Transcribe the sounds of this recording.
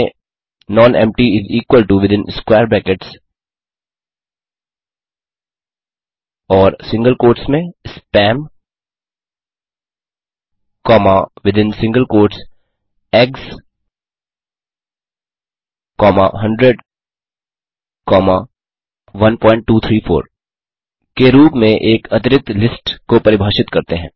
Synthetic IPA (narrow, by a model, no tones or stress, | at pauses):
nɔːnɛ̰̃mʈiɪziːkʋəlʈuʋɪd̪ɪ̃nskwɛːɾbɛːkeʈs | ɔːɾsɪ̃ŋɡəlkoːɾʈsmẽspɛ̃ːm | kɔːmaʋɪd̪ɪ̃nsɪ̃ŋɡəlkoːɾʈs | eːks | kɔːma̰ɦɐ̃ɳɖɾeɖ | kɔːma | ʋɐ̃npɔ̃ːɪ̃ɳʈ̚ːuːt̪ʰɾiːfʰo̰ːɾ | keɾuːpmẽʔeːkɐt̪ɪɾɪk̚t̪lɪsʈkopɐɾɪbʱaːʃɪt̪kɐɾt̪eɦɛ̃ː